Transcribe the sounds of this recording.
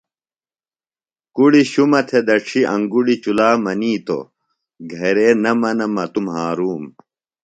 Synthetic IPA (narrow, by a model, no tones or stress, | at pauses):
kuɽiɕumɐt̪ʰed̪ɐʈ͡ʂʰiʔɐ̃ŋɡuɽit͡ɕulaːmɐniːt̪o̰ | ɡʱɐɾeːnɐmɐnɐmɐt̪umhaːɾuːm